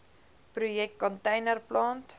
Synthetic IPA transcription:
pɾujɛk̚t̚kɔntɛjnərplɑːnt

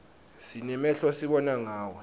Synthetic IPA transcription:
sinɛmɛɬɔsiɓɔnaŋaːwɔ

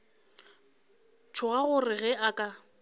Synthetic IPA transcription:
tʰʊɣaɣʊrɪɣɛʔakʼa

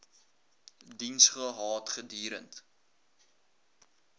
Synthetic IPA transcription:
dinsχəɦɑːtχədiːɾə̰nt

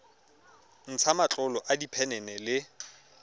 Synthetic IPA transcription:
n̩t͡sʰamat͡ɬʼɔlɔʔadipʰɛnɛnɛlɪ

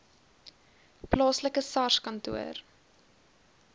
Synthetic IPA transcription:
plɑːsləkəsɑskɐntṵər

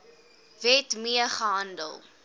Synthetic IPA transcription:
vɛtmiəχəɦɐndə̰lˠ

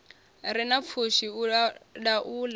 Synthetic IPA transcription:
ɾinap̪fʰuʃi | ɗaʔuːla

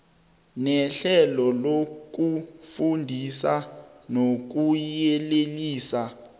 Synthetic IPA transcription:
nɛɬɛlɔlok̬ufundʱisanok̬ujɛleliːsa

